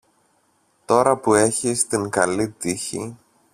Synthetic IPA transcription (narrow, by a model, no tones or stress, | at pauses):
t̪o̞ɾɐpue̞çist̪iŋkɐlit̪içḭ